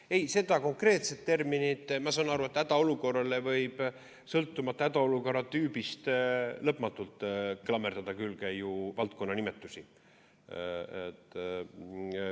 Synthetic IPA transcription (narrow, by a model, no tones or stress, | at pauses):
e̞jse̞d̪̥ɑko̞ŋkre̞ːt̪se̞t̪t̪ːe̞rminit̪mɑsɑːnɑɾue̞t̪ːˑæd̪̥ɑo̞luko̞rːɑle̞vɤjb̥ | sɤlt̪ːˑumɑt̪ːɑæd̪̥ɑoluko̞rɑt̪ːyːbist̪lɤpːˑmɑt̪ːˑult̪ːˑklɑmːerd̪̥ɑd̪̥ɑkylːkæjuvɑlt̪̚ko̞nːɑnimet̪ˑːusi | et̪ː